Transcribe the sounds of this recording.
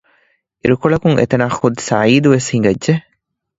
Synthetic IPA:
iɾukoɭɐkuŋʔḛt̪ɐnaːxud̪sɐ̰ʕiːd̪uʋeshiŋɡɐdʒe

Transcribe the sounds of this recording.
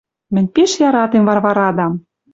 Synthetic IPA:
mɘ̆nʲpeʃjɑɾɑt̪emvɑrβɑɾɑd̪ɑm

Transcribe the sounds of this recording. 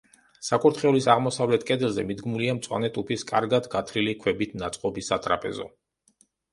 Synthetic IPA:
sakʼuɾt̪ʰχɛulisaʁmɔsavlɛt̪ʰkʼɛd̪ɛlˠzɛmid̪ɡmuliamt̪sʼwa̰nɛt̪ʼupʰiskʼaɾɡad̪ɡat̪ʰɾilikʰwɛbit̪ʰnat̪sʼqʼɔbisːat̪ʼɾa̰pʼɛ̰zɔ̰

